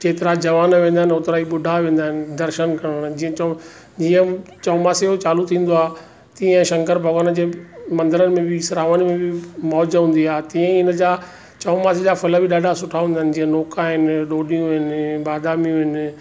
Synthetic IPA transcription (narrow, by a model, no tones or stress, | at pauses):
t͡ɕeːt̪ɪɾad͡ʑɐʋaːnʋẽːnd̪aɦɪnʊt̪ɾaːiɓʊɖʱaʋẽːnd̪aːɦɪnɪ̆d̪ɐɾʃənkɐɽənd͡ʑiːə̃t͡ɕː | d͡ʑiːə̃t͡ɕɐːmaːseot͡ɕaːlut̪ʰĩːn̆d̪oaː | t̪iːə̃ʃɐ̃ŋkəɾbʱɐɡaːnəd͡ʑeːmɐ̃nd̪əɾənɪ̆mẽbʱɪsɪɾaːʋənmẽbɪmɔːd͡ʒɦũːn̆d̪iaːɦt̪ĩːə̃ɪnəd͡ʑaː | t͡ɕɐːmaːsed͡ʑaːfɐləbʱɪɗaːɖʱasʊʈʰaɦũːnd̪aːɦɪnɪ̆d͡ʑĩːə̃noːkaɦɪnɗoːɗijũɦɪnɪɓaːd̪aːmijũɦɪnɪ̆